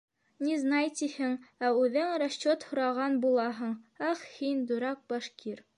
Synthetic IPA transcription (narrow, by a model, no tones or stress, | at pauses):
niznɑjt̪ihɘŋæʉðɘŋɾɐɕːot̪hŏɾɑʁɑnbulˠɑɦɤ̆ɴæχhind̪ŭɾɑk̚bɑʃkiɾ